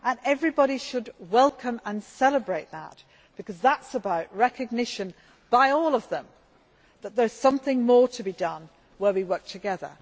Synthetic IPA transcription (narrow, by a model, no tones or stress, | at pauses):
ʔə̃nɛvɹibɑɾiʃɨd̚wɛlˠkʰə̃mə̃nsɛlˠəbɹeɪt̪̚ðə̰t̚ | b̥ɨkʌzðətsəbaʊʔ̚ɹɛkɨɡ̚nɪʃɨ̃n | b̥aɪɔlˠʌvðə̃m | ðət̪̚ðə˞z̥sʌ̃mθɪ̃ŋmɔɹtʰɨbidʌ̃n | wəwiwɜ˞k̚tʰɨɡɛðə̰˞